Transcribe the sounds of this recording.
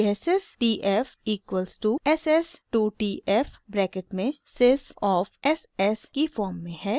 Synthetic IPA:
ɛsɛsʈiːʔɛfiːkwəlzʈuɛsɛsʈuːʈiːʔɛfbɾɛːkɪʈmẽsesɔːfɛsɛskifɔːɾmːẽɦɛː

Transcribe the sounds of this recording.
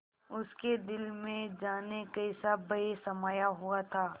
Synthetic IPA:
ʊsked̪ɪlmẽd͡ʒaːnekɐɪsabɐɽesɐmaːjaɦʊat̪ʰaː

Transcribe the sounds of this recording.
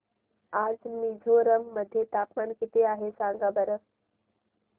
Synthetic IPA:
aːd͡ʒmiːd͡ʒʱoɾəŋɡməd̪ʱjet̪aːpmaːnkit̪eaːɦesãːŋɡaːbəɾə

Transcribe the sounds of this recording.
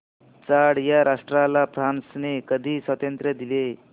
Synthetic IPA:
t͡saɽjaɾʔaʂʈɾalapɾansnekəd̪ʱiːsət̪jənt̪ɾəd̪ile

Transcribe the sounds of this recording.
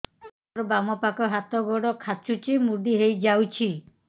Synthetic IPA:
ɾɔbamɔpakɔɦat̪ɔɡɔɽɔkʰat͡ʃut͡ʃimuɖiɦejd͡ʒawt͡ʃʰi

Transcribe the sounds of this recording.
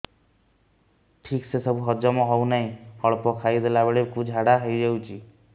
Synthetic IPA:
ʈʰiksesɔbʱuɦɔd͡ʒɔmɔɦɔwnaɦĩhɔɭpɔkʰajd̪ʱelabeɭekud͡ʒʱɦaɽaɦɔjd͡ʒewt͡ʃʰi

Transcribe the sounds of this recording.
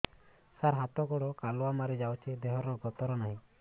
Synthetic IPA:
saɾɦat̪ɔɡɔɽɔkalɔwamaɾid͡ʒawt͡ʃʰed̪eɦɔɾnɔɡɔt̪ɔɾɔnaɦĩ

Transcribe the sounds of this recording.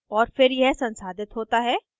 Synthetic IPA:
ɔːɾfɪɾjɛɦsɐ̃nsaːd̪ɪt̪ɦoːt̪aɦɛː

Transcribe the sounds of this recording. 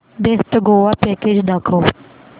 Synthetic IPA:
d̪eːst̪ɡoːʋapɛːked͡ʒnaːkʰoː

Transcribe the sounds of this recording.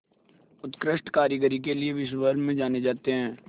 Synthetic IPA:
ʊt̪kɾɪʃʈkaːɾjəɡəɾik̬eliebɪʃ̬wəɾmẽd͡ʒaːned͡ʒaːt̪eɦɛ̃ː

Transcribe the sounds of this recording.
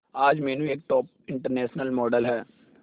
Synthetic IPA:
aːd͡ʒmɛːnũeːk̚ʈɔːp̚ | ɪ̃ɳʈəɾnɛːʃnəlmɔːɖəlɦɛː

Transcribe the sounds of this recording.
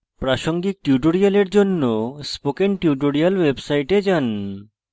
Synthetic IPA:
pɾaʃoŋɡik̚ʈiuʈ̬oɽijaleɾd͡ʑonːospokenʈiuʈ̬oɽialwebsajʈed͡ʑan

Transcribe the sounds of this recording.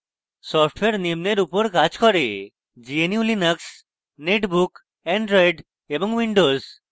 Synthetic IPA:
sɔfʈweɾnemneɾupoɾkad͡ʑkɔɾe | d͡ʒieniulinəks | neʈbuk | ɛɳɖɾojɖ | eboŋwiɳɖoz

